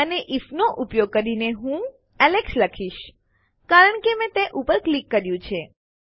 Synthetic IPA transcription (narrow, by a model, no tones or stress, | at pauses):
əneʔifnoʔʊpjoɡ̚kəɾineɦũ | ɛleksləkʰiʃ | kaɾəɳkemɛ̃t̪eʔupəɾklikːəɾjũt͡ʃʰe